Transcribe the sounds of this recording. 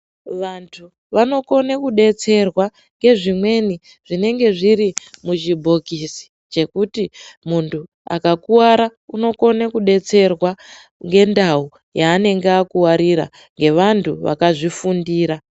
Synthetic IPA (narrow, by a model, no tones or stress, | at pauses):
ʋantʰu | ʋano̞ko̞nekuɗe̞t͡se̞rwa | ŋɡe̞ʐimwe̞ni | ʐ̥ine̞ŋɡe̞ʐiɾimuʒibʱo̞kisi̥ | t͡ʃe̞kutimuntʰu | a̰kakuwaɾauno̞ko̞nekuɗe̞t͡se̞rwa | ŋɡe̞ndau | jaːne̞ŋɡeakuwaɾiɾa̰ | ŋɡe̞ʋantʰuʋa̰kaʐifundiːɾa